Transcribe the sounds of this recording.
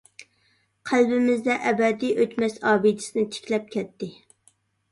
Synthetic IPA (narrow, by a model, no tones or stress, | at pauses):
qʰælbɪmɪzd̪ɛʔɛbɛd̪ijʔøt̪mɛsɑːbid̪ɪ̥sɪnɪt̪ʰe̥kʲlɛp̚kʲʰɛt̪ːɪ